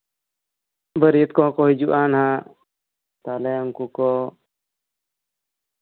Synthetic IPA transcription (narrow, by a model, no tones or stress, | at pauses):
bəɾiət̪̚kɔɦɔ̃kɔɦid͡ʒuʔanha | t̪alɛamkukɔ